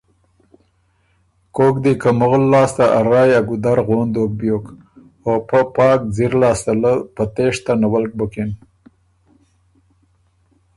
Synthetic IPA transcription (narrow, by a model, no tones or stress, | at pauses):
koːkd̪ikamʊɣlːɑːst̪aʔaɾɑːjaɡud̪aɾɣoːnd̪ok̚bjok | opəpɑːk̚d͡ziɾlɑːst̪aləpət̪eʂt̪anawalk̚bəkin